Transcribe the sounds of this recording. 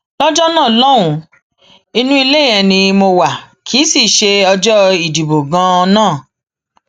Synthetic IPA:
lɔ˦d͡ʒɔ˦nãː˦˨lɔ˦wũ˧˦ | i˧nũ˦i˧le˦ɛ˧nĩ˧mo˧wa˨ | kʰi˨˦si˦˨ʃe˧ɔ˧d͡ʒɔ˦i˨di˨bo˨ɡã˧˦ɔ˧nãː˦˨

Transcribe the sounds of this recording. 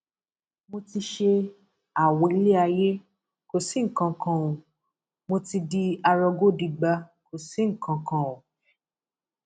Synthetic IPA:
mo˧ti˧ʃe˧ | a˨wɔ̃˨i˨˧˦le˦a˧je˦ | ko˨si˨˦ŋ̩˨kã˨˧kʰã˧wõ˨ | mo˧ti˧di˧a˧ɾɔ˧ɡo˦˨di˧ɡ͡ba˧ko˨si˨˦ŋ̩˨kã˧kã˧õ˨

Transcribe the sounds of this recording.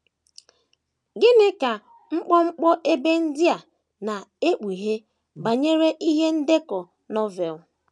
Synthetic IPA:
ɡɪ˦nɪ˦ka˨ | ŋ͡m̩˦k͡pɔ˦ŋ͡m̩˦k͡pɔ˦ʔe˦be˦n̩˦dɪ˦a˨ | na˨e˦k͡pi˨ɦe˦ | ba˨ɲe˦ɾe˦ʔi˦ɦe˦n̩˦de˦kɔ˨ | nɔ˦vɛ˨l

